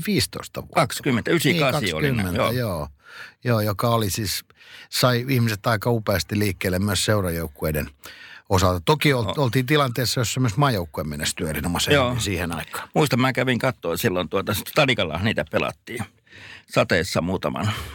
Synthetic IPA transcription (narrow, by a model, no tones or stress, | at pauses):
ʋiːst̪o̰ist̪ɑʋṵkɑkskymːent̪æysikːɑksɑio̰liynmːenjo̰joːjoːjokɑolisiːs | sɑiihmiset̪ɑikɑupeɑst̪iliːkːeːlːemmyøsseurɑjoukːueidenosɑlt̪ɑt̪okiololt̪iːnt̪ilɑnt̪eːsːɑjossemːosmɑːjoukːueˑmenːest̪yøerinomɑsejoːnsiːhenɑikːˑɑ̥ːmuist̪ɑmmæːkæʋiŋkɑt̪ːoːsilːont̪uot̪ɑ̥t̪ɑlikɑlːɑ̰hɑniːt̪æpelɑ̰t̪ːiː | sɑt̪eːˑsːɑmuːt̪ɑmɑ̰n